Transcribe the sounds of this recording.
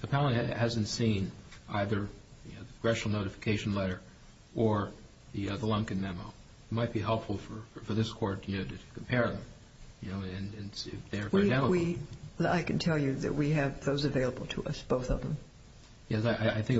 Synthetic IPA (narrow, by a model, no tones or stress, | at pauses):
ɨpʰælˠə̃nhæz̃ntsĩnʔaɪðə˞jɨnoʊðə̥ɡ̥ɹɛʃnl̩ˠnoʊɾɨfə̥kʰeɪʃn̩lɛɾə˞ | ʔə˞ | ðiðəlʌ̃ŋkɨ̃nmɛmoʊ | t̚maɪt̚b̥iɦɛlˠpfl̩ˠfə˞fə˞ðɪskʰɔɹt̚jɨnoʊɾɨɾʰkʰm̩pʰɛɹɨɾɨ̃m | jɨnoʊɨ̃nɨ̃nɪfðeɪə˞vadæməiaɪkɨ̃ntʰɛlˠjɨðɨ̰ʔ̚wiɨvðoʊzɨveɪlˠəbl̩ˠtʰəʔʌ̰sb̥oʊθʌ̰vðə̰̃m | jɛsaɪʔaɪaɪθɪ̃ŋk